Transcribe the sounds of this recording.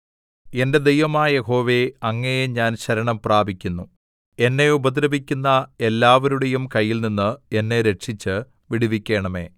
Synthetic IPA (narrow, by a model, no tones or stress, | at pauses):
e̞nde̞d̪ejʋɐmaːjɐje̞ɦo̞ːʋe̞ɐŋːɐjeɲaːnɕɐɾɐɳɐmpraːbʱikʲːunːu | e̞nːe̞ubɐd̪ɾɐbikʲːunːɐe̞lːaːʋɐɾuɽe̞jumkɐjːilninːɨe̞nːe̞ɾe̞ʈʂit͡ɕːɨ | ʋiɽiʋikʲːe̞ːɳɐme̞̰ː